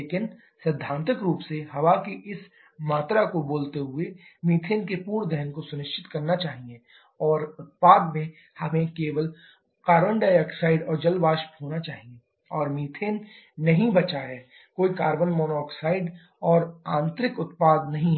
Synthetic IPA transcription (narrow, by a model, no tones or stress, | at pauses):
leːkɪn | sɪd̪ʱːãːnt̪ɪkɾuːpseɦɐʋakeʔɪs | maːt̪ɾakoboːlt̪eɦʊemiːt̪ʰeːnkepuːɾd̪ɛɦənkosʊnɪʃt͡ʃɪ̥t̪kɐɾnat͡ʃaːɦiẽ | ɔːɾʊt̪̚paːd̪mẽ | hɐmẽkeːʋəl | kaːɾʋə̃ɳɖaːjəksaːɪɖɔːɾd͡ʒɐlʋaːʃbɦoːnat͡ʃaːɦie | ɔːɾmiːt̪ʰeːnː | ɐɦĩbɐt͡ʃaɦɛː | koːikaːɾʋənmɔːnɔːksaːɪɖ | ɔːɾãːnt̪ɾɪkʊt̪paːd̪nɐɦĩɦ